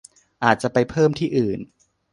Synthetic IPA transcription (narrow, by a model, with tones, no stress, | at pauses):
ʔaː˨˩t̪̚t͡ɕa˨˩pa˧jpʰɤː˥˩mt̪ʰiː˥˩ʔɯː˨˩n